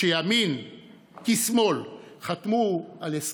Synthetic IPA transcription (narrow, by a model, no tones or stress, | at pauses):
ejamin | kismo̞lχat̪muales